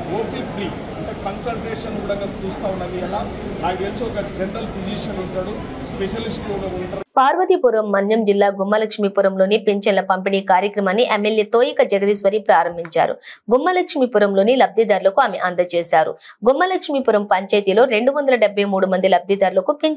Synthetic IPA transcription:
oːpip̪ʰɾiː | ɐɳʈekɐnsɐlʈeːʂɐnkuːɽɐɡaːt͡ʃuːst̪aːunːɐniɐlaː | aːjɡeːt͡ʃukɐd͡ʒɛɳʈɐlpod͡ʒiːʂɐnuɳʈ̪aːɽu | speʃɐlisʈloːɡaːuɳʈɐpaːɾʋɐt̪ipuɾɐmːɐnjɐmd͡ʒilːaːɡumːɐlɐkʂmipuɾɐmlo̞ːnipeɲt͡ʃɐnlɐpɐmpiniːkaːɾjɐkɾɐmaːnːiʔemːeljeːt̪oːjikɐd͡ʒɐɡɐd̪isʋɐɾipɾaːɾɐmbʱiɲt͡ʃa̰ːɾṵɡumːɐlɐkʂmipuɾɐmlo̞ːnilɐb̚d̪ʱid̪aːɾlɐkuaːmḛʔɐnd̪ɐt͡ʃeːsaːɾṵɡumːɐlɐkʂmipuɾɐmpɐɲt͡ʃɐjt̪ilo̞ːɾe̞ɳɖuʋɐnd̪ɐlɐɖebʱːɐjmuːɽumɐnd̪ilɐb̚d̪ʱid̪aːɾulɐkupeɲt͡ʃ

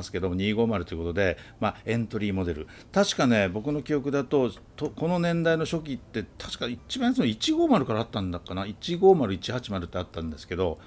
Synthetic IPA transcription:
sɨ̥ke̞d̪o̞moɲ̟iːɡo̞ːmaɾɯ̟t̪o̞jɯko̞t̪od̪e̞maẽ̞nt̪o̞ɾʲiːmo̞d̪e̞ɾɯ̟t̪aɕi̥kane̞bo̞k̬ɯ̟no̞kʲio̞kɯ̟d̪at̪o̞ | t̪oko̞no̞nẽ̞nd̪aino̞ɕo̞k̬ʲit̪ːe̞t̪ʰḁɕi̥kait͡ɕibãsonoit͡ɕiɡo̞ːmaɾɯ̟kaɾaːt̪ːãnd̪akːanait͡ɕiɡo̞ːmaɾɯ̟it͡ɕihat͡ɕimaɾɯ̟t̪ːeat̪ːãnd̪e̞sɨ̥ke̞d̪o̞

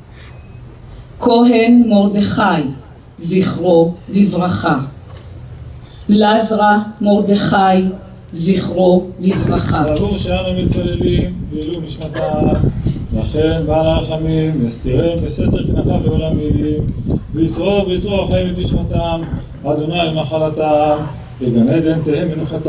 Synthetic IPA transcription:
kʰoɦenmo̞ʁd̪eχaj | ziχʁolivʁaχa | lazʁamo̞ʁd̪eχaj | ziχʁolivʁaχaavuʁʃeanumit̪̚pale̞limveiluniʃmat̪a | vlaχenbalaʁaχamimvest̪iʁembesed̪eʁknakaleolamilimveit͡sʁoveit͡soaχaimet̪niʃmat̪am | ad̪onajlmaχalat̪a | veɡamed̪ent̪ehemːenuχat̪

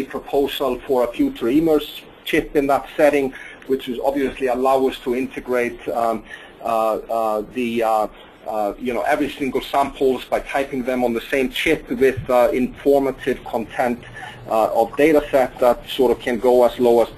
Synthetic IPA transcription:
ipʰɹ̥əpʰoʊzəlˠfə˞əfjʉt͡ʃə˞imə˞s | t͡ʃʰɪpɨ̃nðətsɛɾɪ̃ŋ | wɪt͡ʃɪzɑ̰bviɨsliəlaʊəz̥tʰəɪ̃ntʰɨɡɹeɪt̚ | ði | jɨnoʊʔɛvɹisɪ̃ŋɡəlˠsãmpʰl̩ˠzbaɪtʰaɪpɪ̃ŋðə̃mə̃nðəsẽɪ̃mt͡ʃʰɪpwɪðɪ̃ɱfɔɹməɾɪv̥kʰə̃ntʰɛ̃nt | ʌvdeɪɾəsɛt̪̚ðətsɔɹɾʌv̥kʰɨ̃nɡ̥oʊəzloʊəz̥

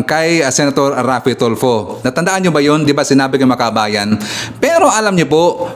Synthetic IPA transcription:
kɐjsɛnɐt̪oɾːaːfɪt̪olfonɐt̪ɐnd̪ɐʔanɲobɐjond̪ɪbasɪnaːbɪkɐjmɐkɐʔɐbaːjɐnpɛːɾo̞ʔɐlamɲʊpoʔ

